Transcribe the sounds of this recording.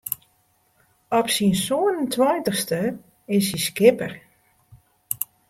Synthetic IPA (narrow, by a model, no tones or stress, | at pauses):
ɔpsinsoənəntʰwajntəχstə | ɪsiskɪpər